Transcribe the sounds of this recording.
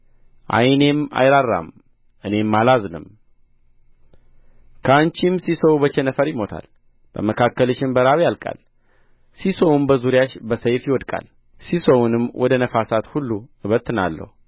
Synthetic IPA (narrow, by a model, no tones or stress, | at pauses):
ʔa̰jne̞ma̰jɾarːa̰m | ʔɨne̞mːalaznɨ̰m | kʰəant͡ʃimsisəwbət͡ʃɛnəfəɾjɪmo̞t̪ʰa̰l | b̥ə̰məkʰakːəlɨʃɪmbəɾaβjalkʼa̰l | sisowumbəzuɾjaʃbəsəjfjɪwɔd̪kʼa̰l | sisowunɨmːwʔɔd̪ənəfasat̪hulːuɨβət̪ːɨna̰lːə̰hu